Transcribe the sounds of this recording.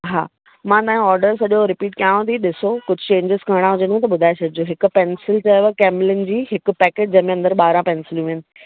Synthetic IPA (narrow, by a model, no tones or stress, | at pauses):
ɦa̰ː | mãt̪aːɦĩɔːɾɖəɾsɐʄoɾɪpiːʈkjãːõt̪ʰiɗɪsokʊd͡ʑʱʊt͡ɕẽːɲd͡ʑɪzkɐɽ̃ãɦʊd͡ʑənɡʰũt̪ɐɓʊd̪ʱaːesɐd̪ɪd͡ʑoɦɪkʊ̆pɛnsɪlʈɐʋəkɛːmɪlɪnɪ̆d͡ʑiːɦɪkʊ̆pɛːkeːʈ̚d͡ʑɐɦɪ̃mẽɐ̃nd̪əɾɓaːɾãpɛnsɪlũĩənɪ̆